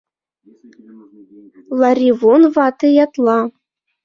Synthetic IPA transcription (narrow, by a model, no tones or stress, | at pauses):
lˠɑrʲivonvɑt̪ɤjɑt̪lˠɑ